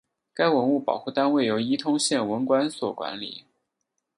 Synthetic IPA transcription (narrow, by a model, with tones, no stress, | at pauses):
ka˥ɪwə˧˥nu˥˩pɑ˨˩ʊxu˥˩t̪a˥nwe˥˩ɪjo˧˥ʊi˥t̪ʰʊ˥ŋɕjɛ˥˩nwə˧˥nkwa˥nswɔ˨˩kwa̰˧˥nlḭ˨˩˦